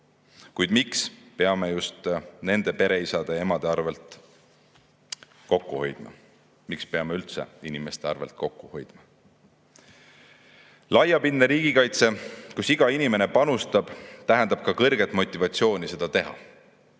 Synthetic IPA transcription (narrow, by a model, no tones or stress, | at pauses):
kujd̪̥mikspe̞ɑme̞just̪ne̞nd̪̥e̞pe̞ɾe̞isɑd̪̥e̞e̞mɑd̪̥e̞ɑrve̞lt̪ˑ | ko̞kːuho̞jd̪̥mɑ̰ | mikspe̞ɑmeylt̪se̞̰inime̞st̪e̞ɑrve̞lt̪̚ko̞kːuho̞jd̪̥mɑ | lɑjɑpinːeɾiːɡ̥ikɑjt̪se̞kusiɡ̥ɑinime̞nepɑnust̪ɑb̥t̪æɦend̪̥ɑb̥̚kɑkɤrɡ̥et̪ːˑmo̞t̪ʲːˑivɑt̪sio̞ːnʲise̞d̪̥ɑt̪e̞ɦɑ̰